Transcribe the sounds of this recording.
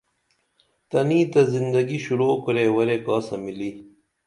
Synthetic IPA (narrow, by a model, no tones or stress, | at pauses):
t̪ɐniːt̪ɐzind̪ɐɡiɕuɾoːkɐɾewɐɾekaːsɐmili